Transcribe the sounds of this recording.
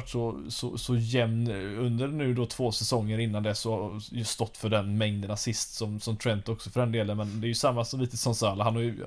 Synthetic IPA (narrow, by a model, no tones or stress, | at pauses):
ʈʂɔsɔ̰sɔjɛmnɵnd̪əɾnʉ̟ːd̪ɔt̪ʰv̥oːsɛsɔŋːəɾɪn̪ːand̪ɛsːɔst̪ɔt̪ːfœɖɛnmɛŋd̪ənasɪst̪sɔmsɔmt̪ʰɾɛnt̪ɔksɔfœɖɛnd̪eːlənmɛnd̪ɛːjɵsamːasɔmliːt̪əsɔnsɑːlaɦanːɔʉ